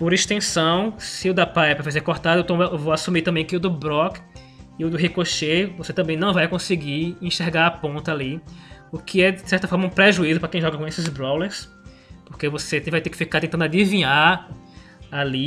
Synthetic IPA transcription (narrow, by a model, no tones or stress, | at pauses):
poɾeʃt̪ẽsɐ̃w̃sɪʊd̪apaɛpɾɐfazeɾkoɾt̪ad̪ɐewt̪õewvoasũmiɾt̪ɐ̃mbẽj̃kɪʊd̪ʊbɾɔk | ɪʊd̪ʊɦekoʃevoset̪ɐ̃mbẽj̃nɐ̃w̃vajkõsɪɡiĩʃeɾɡaɾapõnt̪ɐali | ʊkʰɪɛdɪsɛɾt̪ɐfɔɾmɐũpɾeʒuizʊpɾɐkẽj̃ʒɔɡɐkõesɪzbɾɔwleɾs | poɾkevosẽvajt̪ekɪ̥fikaɾt̪ẽt̪ɐ̃d̪ad̪ivĩɲaɾ | ali